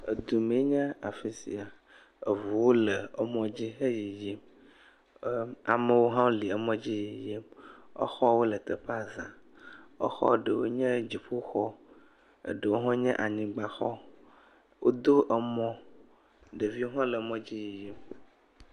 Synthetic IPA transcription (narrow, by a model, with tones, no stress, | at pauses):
ḛ˨d̪u˨mẽ˨˦ɲɛ̃˦a˨fi˨sḭ˨a˨ | e˨vu˨wo˦lə˨e˦mɔ̃˦d͡ʑi˦ɦe˦ji˨ji˦m˦ | a˨me˦wo˦ɦã˦o˦li˨ə˨mɔ̃˦d͡ʑi˦ji˨ji˦mɔ̰˦xɔ˦wo˦lə˨t̪ə˨ɸa˨zã˨ | ḛ˦xɔ̰˦˨ɖə˨wo˦ɲɛ̃˦d͡ʑi˨ɸu˦xɔ˦ | ḛ˨ɖə˨wo˦ɦɔ̃˦ɲɛ̰̃˦ʔa˨ɲĩ˨ɡ͡ba˨xɔ˦ | wʔo˦d̪o˦ʔə˨mɔ̃˦ | ɖe˨vi˦o˦ɦɔ̃˦le˨˦mɔ̃˦d͡ʑi˦ji˨ji˦m